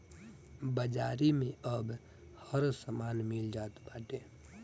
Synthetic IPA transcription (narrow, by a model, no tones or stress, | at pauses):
bəd͡ʒaːɾimẽəb | həɾsəmaːnmɪld͡ʒaːt̪baːʈeː